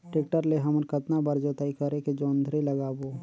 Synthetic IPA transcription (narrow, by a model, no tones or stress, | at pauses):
ʈeːk̚ʈəɾleɦɐməɾkət̪nabəɾd͡ʒoːt̪aːikəɾeked͡ʒoːnd̪ʱɾelɐɡaːboː